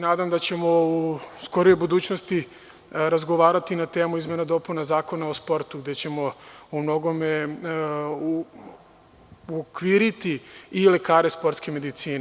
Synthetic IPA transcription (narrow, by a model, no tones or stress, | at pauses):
senaːd̪amd̪at͡ɕe̞mo̞usko̞ɾijojbud̪uːt͡ɕnost̪i | ɾazɡo̞ʋaːɾat̪inat̪e̞ːmuizmenad̪o̞punazaːko̞naospo̞ɾt̪uɡd̪e̞t͡ɕe̞mo̞umno̞ɡo̞me | uokʋiːɾit̪iile̞kaːɾe̞spo̞ɾt̪skeme̞d̪it̪siːne